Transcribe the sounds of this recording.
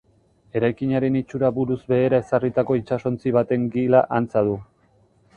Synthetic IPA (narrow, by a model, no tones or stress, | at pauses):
e̞ɾajkiɲaɾe̞nit͡ʃuɾaβuɾuzbe̞ːɾae̞sarit̪ako̞it͡ʃaso̞nt͡siβ̞at̪e̞ŋɡilaʔant͡sað̞u